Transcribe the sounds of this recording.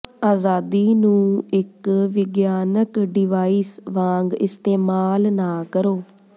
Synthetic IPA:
aːzaːd̪iːnũːɪkʋɪɡjaːnəkɖɪʋaːisʋãːŋɡɪst̪eːmaːlnaːkəɾoː

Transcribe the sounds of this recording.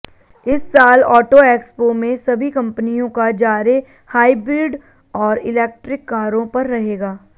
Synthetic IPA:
ɪsːaːlɔːʈoeːkspomẽsɐbʱikɐ̃mpənijõkad͡ʒaːɾe | haːibɾɪɖ | ɔːɾɪlɛːk̚ʈɾɪkːaːɾõpɐɾːɐɦeːɡaː

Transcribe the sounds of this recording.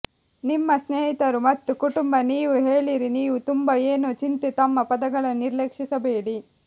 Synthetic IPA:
nimːɐsneːɦit̪ɐɾumɐt̪ːukuʈumbɐniːʋuɦeːɭiɾiniːʋut̪umbɐeːnut͡ʃint̪et̪ɐmːɐpɐd̪ɐɡɐɭɐniɾlekʂisɐbeːɽi

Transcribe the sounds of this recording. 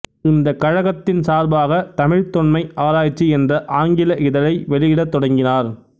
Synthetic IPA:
ɪnd̪ɐkːɐɻɐɣɐt̪ːɪnsaːɾbaːɣɐt̪ɐmɪɻt̪ɔnmɐɪʔaːɾaːjt͡ʃːiɛndrɐʔaːŋɡɪlɐʔɪðɐlɐɪʋɛɭɪjɪɽɐt̪ːɔɽɐŋɡɪnaːɾ

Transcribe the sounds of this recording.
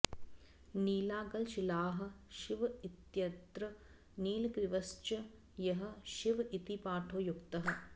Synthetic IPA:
niːlaːɡɐlʃilaːɦɐ̆ʃiʋɐit̪jɐd̪ɾɐ | niːlkɾiʋɐst͡ʃɐ | jɐɦɐ̆ʃiʋit̪ipaːʈʰoːjukt̪ɐɦɐ̆

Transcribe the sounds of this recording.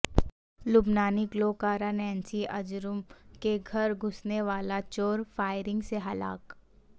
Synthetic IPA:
lʊbnaːnɪkloːkaːɾanɛ̃ːnsiʔɐd͡ʒɾʊmkeɡʱɐɾɡʱʊsneʋaːlat͡ʃoːɾfaːɪɾɪ̃ŋɡseɦɐla̰ːk

